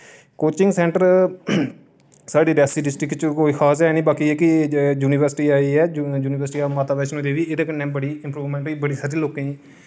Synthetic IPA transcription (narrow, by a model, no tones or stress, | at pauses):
koːt͡ʃɪŋɡsɛ̃ːɳʈəɾ | saːɖiːɾaːsiːɖɪsʈɾɪkt͡ʃkoːiːxʰaːsɛːnĩːbaːkiɛkɪjuːnɪʋəɾsʈiːaːiːɛːjuːnɪʋəɾsʈiːaːmaːt̪aːbɛːʃnoːd̪eːʋiːed̪eːkənːɛ̃ːbəɽiːɪ̃mpɾuːʋmɛ̃ːɳʈiːbəɽiːsaːɾiːloːkẽːĩː